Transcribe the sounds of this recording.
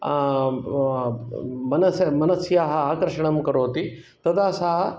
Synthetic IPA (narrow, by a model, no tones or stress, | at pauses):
mɐnɐsmɐnɐsjaːɦɐaːkɐɾʂɐɳɐmkɐɾoːt̪i | t̪ɐd̪aːsaːɦɐ